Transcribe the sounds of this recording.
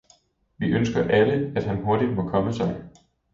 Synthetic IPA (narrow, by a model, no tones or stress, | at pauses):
ʋiʔønsɡ̥ɐʔæləæd̥ɦænɦo̝ɐd̥id̥mɒ̽kʰɒ̽məsɑ̈ɪ